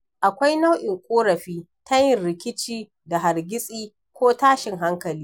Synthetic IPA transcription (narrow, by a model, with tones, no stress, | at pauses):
ʔa˨kʷa˦jna˦wʔɪ˨ŋkʷʼoː˦ɾɐ˨ɸiː˦ | ta˦jɪ˨nɾɪ˨kʲɪ˦t͡ʃiː˦ | da˨ɦa˨ɾɡʲɪ˦sʼiː˦ | kʷoː˦taː˦ʃɪ˨ŋɦa˦ŋkɐ˨liː˦